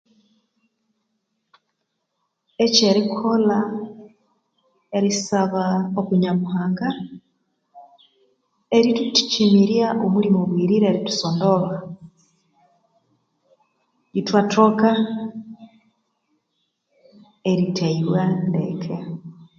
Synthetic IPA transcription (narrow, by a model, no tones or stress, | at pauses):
eceɾikʰola | eɾisaβaokuɲamuɦaːŋɡa | eɾituti̥cimiɾjaʔomulimoβwiːɾiɾeɾitu̥sondoβa | jitwatʰoka | eɾitʰaiβwandḛkʰe